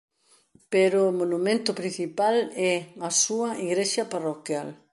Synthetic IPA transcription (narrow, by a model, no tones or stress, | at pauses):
peɾʊmonumẽnt̪ʊpɾin̟θipalɛasuɐʔiɣɾeʃɐparokjal